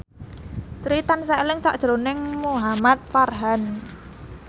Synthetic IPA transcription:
sɾit̪ansalɪŋsa̰ʔd̥ʒ̥ɾonɪŋmuɦamat̪̚farɦan

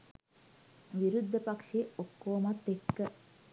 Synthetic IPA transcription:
ʋiɾud̪ʱːəpakʂeːokːoːmat̪ːekːə

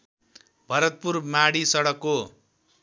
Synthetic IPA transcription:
bʱʌɾʌt̪̚purmaɽisʌɽʌkːo

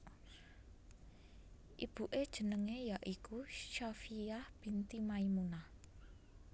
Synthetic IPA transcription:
ʔib̥uʔed̥ʒ̥ə̤nəŋejaʔikuʃafijahb̥int̪imaimunah

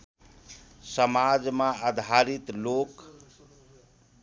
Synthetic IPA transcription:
səmad͡ʒmaəd̪ʱaɾit̪lok

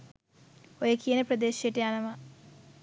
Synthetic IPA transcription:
ojekijənəprɐd̪eːʃijɐʈejanɐʋɐ

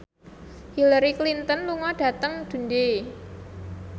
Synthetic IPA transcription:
hilaɾiklint̪ɔnluŋɔɖ̥a̤t̪əŋd̪̥ṳnde

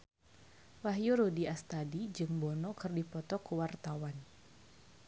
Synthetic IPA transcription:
waɦjuɾodiast̪adid͡ʒɨŋbɔnɔkɨrdipɔt̪ɔkuwart̪awan

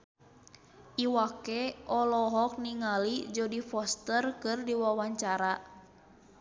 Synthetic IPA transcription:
ʔiwakɛʔɔlɔɦɔk̚niŋalid͡ʒɔdifɔst̪ərkɨrdiwawaɲt͡ʃaɾa

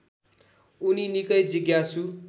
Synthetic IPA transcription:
uninikʌjd͡ziɡjasu

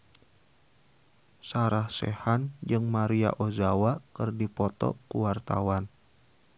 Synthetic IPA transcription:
saɾahsḛhand͡ʒɨŋmaɾia̰ʔozawakɨrdipɔt̪ɔ̰kuwart̪a̰wan

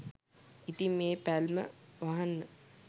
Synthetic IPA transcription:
it̪imːeːpælmə̰ʋaɦanːə

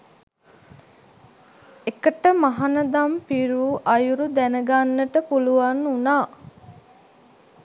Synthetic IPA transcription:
ekəʈəmaɦanəd̪ampiɾuːʔajuɾud̪ænəɡanːəʈəpuluʋanːunaː

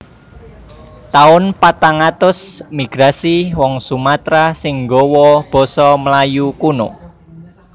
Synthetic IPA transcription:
t̪aʊnpat̪aŋat̪ʊsmiɡ̥ɾasiwɔŋsumat̪ɾasɪŋɡɔwɔb̥ɔ̤sɔmlajukuno

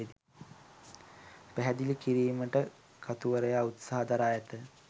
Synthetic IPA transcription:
ed̪i | pæɦɛd̪ilikiɾiːməʈə | kat̪uʋəɾəjaut̪saɦad̪aɾaːjət̪ə

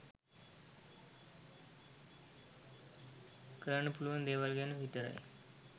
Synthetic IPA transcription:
kɾəɳəpulʋənd̪eʋalɡjaneʋʱit̪əɾa̰ḛ

